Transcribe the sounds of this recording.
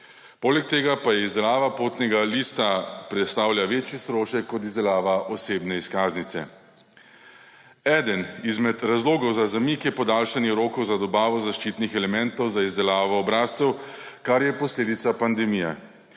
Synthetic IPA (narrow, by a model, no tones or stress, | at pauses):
poːlɛk̚t̪eːɡapajɛizd̪ɛlaːʋapoːt̪nɛɡaliːst̪apɾɛt̪st̪aːwlʲjaʋeːt͡ʃjist̪ɾoːʃɛkːɔt̪̬izd̪ɛlaːʋaʔɔseːbnɛiskaːznit̪sɛ̰ | ɛːd̪ənizmɛt̪ɾazloːɡɔwzazamikjɛpɔd̪aːlʃanjɛɾoːkɔwzad̪ɔbaːʋɔzaʃt͡ʃit̪nixɛlɛmɛnt̪ɔwzaizd̪ɛlaːʋɔːbɾaːst̪sɛwkaɾjɛpɔsleːd̪it̪sapand̪ɛmiːjɛ̰